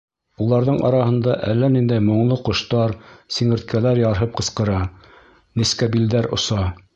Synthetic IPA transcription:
ulˠɑɾðɤɴʔɑ̰ɾɑhɤ̆nd̪ɑʔælːænind̪æjmŏɴlˠɤqŏʃt̪ɑɾsiŋɘ̆ɾt̪̚kælæɾjɑɾɦɤp̚qɤ̆sqɤ̆ɾɑ | niskæbild̪æɾŏ̰sɑ

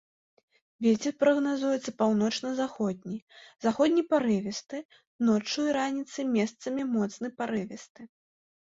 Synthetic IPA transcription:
vʲet͡sʲɛrpɾɐɣnazujɛt̪sɐpawnɔt͡ʂnɐzaxɔd̪̚ʲnʲizaxɔd̪ʲnʲipaɾɨvʲɛst̪ɨ | nɔt͡ʂːujɾanʲit̪sɨmʲɛst̪sɐmʲimɔt̪snɨpaɾɨvʲɛst̪ɨ

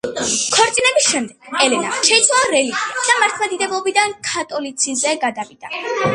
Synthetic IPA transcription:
kʰɔɾt̪sʼinɛbisʃɛmd̪ɛɡ̥ɛlɛnaʃɛit̪sʰwalˠaɾɛlikid̪̥amaɾt̪ʰmad̪id̪ɛblˠɔbid̪ankʰat̪ʼɔlit̪sʰizɛɡad̪avid̪̥a

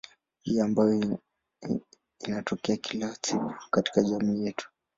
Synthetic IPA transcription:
hijambajɔ | inatʰɔkɛakʰilasiku̥kati̥kaʄamiːjɛtu̥

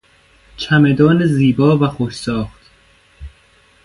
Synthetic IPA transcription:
t͡ʃʰæmed̪ɒːneziːbɒːvæxoʃsɒːxt̪

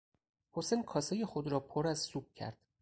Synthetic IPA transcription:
hosenkʰɒːsɒːjexod̪ɾɒːpʰoɾæzsuːb̥̚cʰæ̰ɾd̪̥

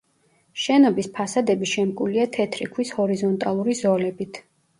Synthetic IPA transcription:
ʃɛnɔbispʰasad̪ɛbiʃɛmkʼuliat̪ʰɛt̪ʰɾikʰwishɔɾizɔnt̪ʼalˠuɾizɔlɛbit̪ʰ

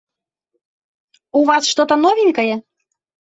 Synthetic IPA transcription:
uvɑsʃt̪ot̪ənovʲinʲkəje

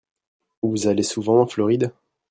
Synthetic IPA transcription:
vuzalesuvɑ̃ɑ̃flɔʁid̪

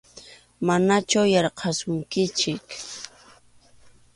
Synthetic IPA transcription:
manat͡ʃʊjɑɾqʰɑsʊŋkɪt͡ʃɪk

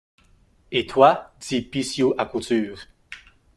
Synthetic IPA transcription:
et̪wad̪ipisjuʔakut̪yːʁ

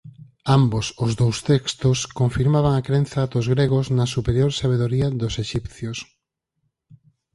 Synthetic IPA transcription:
ambosʊzðowst̪ekst̪oskoɱfiɾmaβ̞aŋakɾẽn̟θad̪ozɣɾeɣoznɐsupeɾjoɾsaβ̞eðoɾiɐðoseʃipθjos

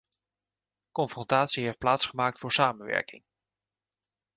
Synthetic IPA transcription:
kɔnfrɔntaːtsiɦejft̚plaːtsχəmaːk̚tfʊːɹsaːmənʋɛ̰ɹkɪ̰ŋ

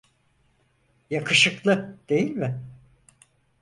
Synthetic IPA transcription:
jakʰɯʃɯklˠɯd̪̥e̞jilʲmɪ

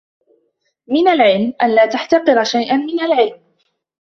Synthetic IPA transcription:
mɪnalʕɪlmʔanlaːt̪aħt̪ɑqɨɾʃajʔanmɪnalʕɪlm

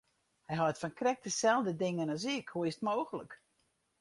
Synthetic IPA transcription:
hɛjɦɔətfɔnkrɛk̚təsɛlˠdədɪŋənɔsɪkhoəstmoːxələk

